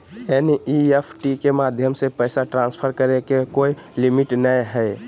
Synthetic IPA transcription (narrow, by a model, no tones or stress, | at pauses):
eniepʰʈikemad̪ʱjəmsepəɪsaʈɾãnspʰəɾkəɾekekoi | limiʈnəjɦəj